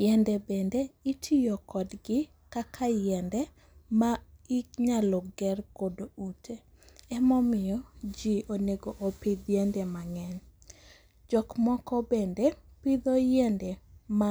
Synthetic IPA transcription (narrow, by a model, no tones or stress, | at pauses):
jɛndɛbendeitʰɪjɔkɔdɡɪ | kakʰajɛndɛ | maikɲalɔɡɛrkodoutʰeɛmɔmɪjɔd͡ʒioneɡoʔopid̪jendɛmaŋɛɲ | d͡ʒɔkmɔkɔbendepid̪ɔjɛndɛma